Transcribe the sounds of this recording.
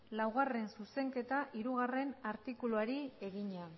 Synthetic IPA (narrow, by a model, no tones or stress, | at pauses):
lawɣare̞nsuse̞ŋke̞t̪aʔiɾuɣare̞naɾt̪ikuluaɾie̞ɣiɲean